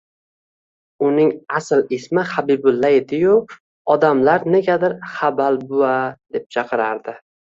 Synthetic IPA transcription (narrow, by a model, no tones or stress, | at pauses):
ʊnɪŋaslɪsmɪχabibʊlːaed̪ɪjʊ | ɒd̪amlaɾne̞ɡʲad̪ɪɾχabalbʊad̪e̞p̚t͡ʃʰɑqʰɨɾaɾd̪ɪ